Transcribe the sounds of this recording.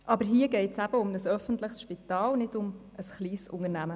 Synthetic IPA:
ʔɑbəɾɦiːəɡɛɪtsæb̥əʊmnəsœfəntlɪχsʃpitɑːlnɪdʊm | əsχliːsʊ̰ŋəɾnæmə

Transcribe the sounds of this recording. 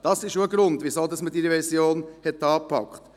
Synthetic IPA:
d̥ɑsɪʃoəɡɾʊnd̪ʋisoːd̪ɑsmətiɾəʋɛɾsjoːnhɛt̪ːɑːpʰɑ̰kχt̪

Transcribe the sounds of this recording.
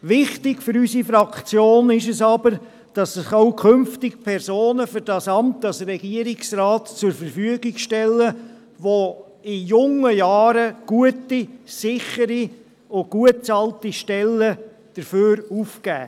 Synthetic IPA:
ʋɪχtɪɡfʏɾysifɾɑkt͡sjoːnɪʃɛsɑbəɾ | d̥ɑsɪχaʊkʰʏmftɪkpʰɛɾsoːnəfʏɾdɑsɑmtɑsrɛɡ̥iəɾɪksrɑːtt͡sʊɾfəɾfyəɡɪɡʃtɛlːə | ʋo | ɪjʊŋəjɑːɾəɡ̥uətisɪχəɾi | oɡ̥uətt͡sɑltiʃtɛlːə | d̥əɾføːɾufkæː

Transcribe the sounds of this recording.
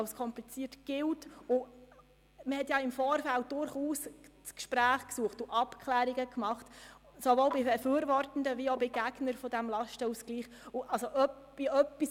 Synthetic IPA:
lskʰɔmplit͡siətɡ̥ɪltʊ | məhɛtjɑɪmfɔːɾfælt̚d̥ʊɾχuːs | t͡skʃpɾæːχksuəχtʊʔɑpkʰχlæːɾiɡəkmɑχt | sovoːlbɪbɛfyːɾvɔrtən̩dəviobɪɡ̥æɡnəɾfɔd̥æmlɑʃtəusɡ̥liːχ | ʊʔɑlsoʔœp | iœpːis

